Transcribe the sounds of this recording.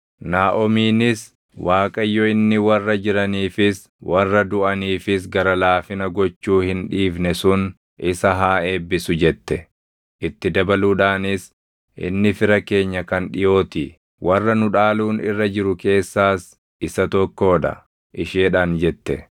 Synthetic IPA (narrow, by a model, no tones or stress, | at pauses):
naːʔɔmiːnɪs | waːkʼɐjːɔɪnːɪwɐrːɐd͡ʒɪɾɐniːfɪs | wʔɐrːɐd̪ʊʔɐniːfɪsɡɐɾɐlaːfɪnɐɡɔt͡ʃːuːhɪnᶑiːfnɛsʊn | ʔɪsɐɦaːe̞ːbːɪsʊd͡ʒɛt̪ːɛ | ʔɪt̪ːɪd̪ɐbɐluːᶑaːnɪs | ʔɪ̰nːɪfɪɾɐke̞ːɲːɐkɐnᶑɪjo̞ːt̪ɪ | wʔɐrːɐnʊᶑaːluːnɪrːɐd͡ʒɪɾʊke̞ːsːaːs | ɪsɐt̪ɔkːo̞ːᶑɐ̰ | ʔɪʃeːᶑaːnd͡ʒɛt̪ːɛ